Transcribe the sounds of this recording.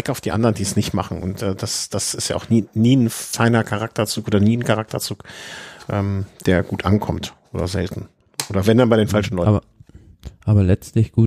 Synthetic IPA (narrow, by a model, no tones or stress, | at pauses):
ɛkaʊfd̥iːʔa̰ndɐʁəndiːsnɪçtmaχn̩ʔʊ̰ntʔɛːd̥asd̥asɪstjaːaʊxniːniːn̩faɪnɐkʰaʁ̞ak̚tɐt͡suːkʔoːdɐniːn̩kʰaʁ̞ak̚tʰɐt͡suːkʔɛːmd̥eːɐɡuːtʔankʰɔmtʔoːdɐ̰zɛ̰ltn̩ | ʔʔoːɾɐvɛndanbaɪɾeːnfalʃn̩lɔɐ | ʔaːbɐlɛt͡stlɪçɡ̥uː